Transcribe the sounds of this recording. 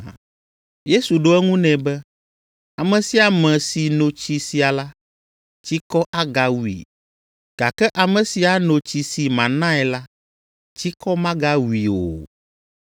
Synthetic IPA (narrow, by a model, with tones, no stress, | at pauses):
je˦su˨ɖo˦ɛ˦ŋũ˦nɛ̃˨bɛ˦ | a˨mɛ̃˨si˨a˨mɛ̃˨si˨nõ˨t͡ɕi˦si˨a˨la˦ | t͡ʃi˦kɔ˦ʔa˦ɡa˨wu˨ḭ˨ | ɡ̥a˨kɛ˦ʔa˨mɛ̃˨si˨a˦nõ˨t͡ɕi˨si˨mã˨nã˦ɛ˨la˦ | t͡ɕi˦kɔ˦mã˦ɡa˦wu˨i˨o̰˨